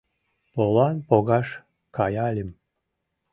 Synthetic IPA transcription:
polˠɑnpoɣɑʃ | kɑjɑlʲim

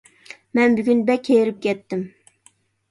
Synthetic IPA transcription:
mɛnbyɡʲynbɛkʲʰːejɾɪp̚kʲʰɛt̪ːɪm

